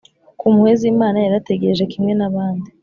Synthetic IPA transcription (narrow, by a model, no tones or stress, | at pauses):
kumuheziːmaːnajaɾate̞ɡeɾeʒe̞kimŋe̞naβaːndi